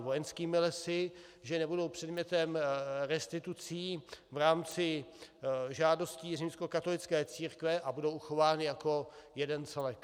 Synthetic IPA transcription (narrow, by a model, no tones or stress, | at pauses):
vojɛnskiːmɪlɛsɪʒɛnɛbudowpr̝̥ɛdmɲɛt̪ɛmɾɛst̪ɪt̪ut͡siːvɾaːmt͡sɪ | ʒaːdo̞sciːrɪmsko̞kat̪o̞lɪt͡skɛːt͡siːɾkvɛʔabudo̞wʔuxo̞vaːnɪjako̞jɛdɛnt͡sɛlɛk